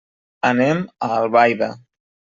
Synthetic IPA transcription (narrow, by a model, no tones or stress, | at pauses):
əneməːlˠβajðə